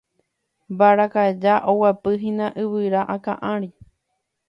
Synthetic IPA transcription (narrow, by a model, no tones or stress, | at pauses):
baɾakaed͡ʒaʔowapɨɦĩnãʔɨβɨɾaʔakã̰ʔãɾi